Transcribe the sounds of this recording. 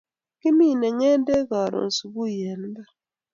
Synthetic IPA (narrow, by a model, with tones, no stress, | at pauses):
ki˦mi˦˨nɛ˨ŋɛ˦n˦de˦ɣa˨ɾo̰˨n̩˨su˨bu˦jɛ˨n˦ba˦